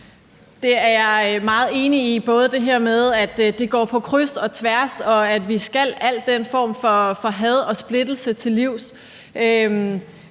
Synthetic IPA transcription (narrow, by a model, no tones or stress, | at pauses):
d̥e̝æɐmɑ̈ːð̞̩ˠe̝ːniib̥ɔ̽ːð̞ˠəd̥e̝ɦɛɐ̰með̞ˠæd̥d̥e̝ɡ̥ɒ̰ːpʰɒ̽kʰʁysɒ̽t͡sʰʋæɐsɒ̽æd̥ʋisɡ̥æl̰æl̰d̥ːen̰fɒ̰ːmfɒ̽fɒ̽ɦɛð̞ˠɒ̽sb̥le̝d̥l̩sət͡sʰe̝liʊ̰s | ʔøm